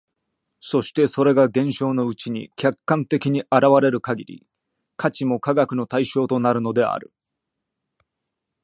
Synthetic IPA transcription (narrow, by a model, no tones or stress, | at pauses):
so̞ɕi̥t̪e̞so̞ɾe̞ɡaɡẽ̞ɰ̃ɕo̞ːno̞ɯ̟t͡ɕiɲ̟ḭkʲakːãnt̪e̞kʲiɲ̟iʔaɾaβaɾe̞ɾɯ̟kaɡʲiɾʲḭ | kʰat͡ɕimo̞kaɡakɯno̞t̪aiɕo̞ːt̪o̞naɾɯ̟no̞d̪e̞a̰ɾɯ̟̰